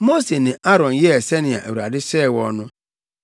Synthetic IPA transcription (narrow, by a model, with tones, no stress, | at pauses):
mo˦se˨nɪ̃˨ʔa˦ɾɔ̃˨n˨jɛ˦˨se˦nɪ˨a̰˨ʔḛ˨wu˨ɾa˨dɪ˦sɛː˦˨wɔ˦nʊ̃˦